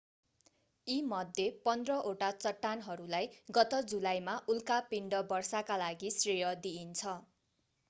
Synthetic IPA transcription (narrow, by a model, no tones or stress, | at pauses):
imʌd̪ʱjepʌnd̪rʌʔoʈat͡sʌʈːanɦʌɾulajɡʌt̪ʌd͡zulajmaʔulkapiɳɖʌbʌrsakalaɡisrejʌd̪iːnt͡sʰʌ